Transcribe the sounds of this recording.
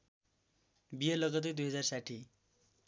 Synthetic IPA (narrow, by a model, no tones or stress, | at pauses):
bijələɡət̪̬ed̪ujɦəd͡zaɾsaʈʰiː